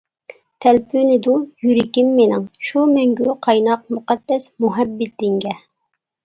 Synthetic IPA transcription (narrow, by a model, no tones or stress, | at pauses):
t̪ʰɛlpʰynɪd̪ujyɾɪkʲɪmːenɪŋʃumɛŋɡʲyqʰɑjnɑq̚muqɑd̪̥ːɛsmuɦɛbːɪt̪̚dɪŋɡʲɛ